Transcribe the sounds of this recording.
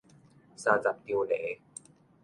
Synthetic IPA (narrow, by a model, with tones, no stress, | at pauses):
saː˧t͡sa˨˩p̚t̪i˧wleː˩˦